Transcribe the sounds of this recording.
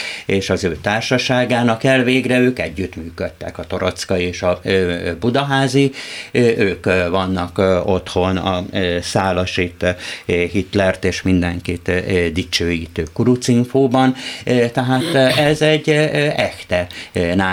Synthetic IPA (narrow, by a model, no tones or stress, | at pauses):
eːʃɒzøːt̪aːrʃɒʃaːɡaːnɒkɛlveːɡrɛøːkɛɟːyt̪myːkøt̪ːɛ̰kɒt̪o̞ɾot̪skɒieːʃɒbud̪ɒɦaːziʔøːkvɒnːɒkot̪ho̞nɒsaːlɒʃit̪ɦit̪lɛrt̪eːʃmind̪ɛŋkit̪d̪it͡ʃøːjiːt̪øːkuɾut̪siɱfoːbɒnt̪ɛɦaːt̪ɛzɛɟːɛxt̪ɛnaː